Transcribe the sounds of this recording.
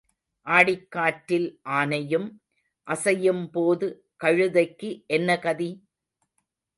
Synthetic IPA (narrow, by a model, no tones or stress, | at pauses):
ʔaːɽɪkːaːʈːɪlʔaːnɐjɯm | ʔɐsɐjɯmpoːðɯ | kɐɻɯðɐɪkːɯʔɛnːɐkɐði